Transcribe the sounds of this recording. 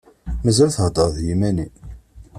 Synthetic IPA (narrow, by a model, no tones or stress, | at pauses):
məzəɾθəhd̪əˤðjimæni